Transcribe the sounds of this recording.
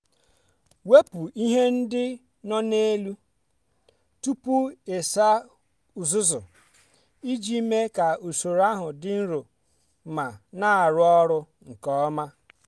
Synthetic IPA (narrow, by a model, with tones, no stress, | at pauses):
we˦pu˨i˦ɦe˦n̩˦dɪ˦ | nɔ˦ne˦lu˦ | tu˦pu˦e˨sa˦ | u˨zʊ˦zʊ̰˨ | i˦d͡ʒi˦me˦ka˨u˨so˨ɾa˦ɦʊ˨dɪ˦n̩˦ɾo˨ | ma˨na˦a˨ɾʊ˦ɔ˦ɾʊ˦ | ŋ̩˨kɔ˦ma˦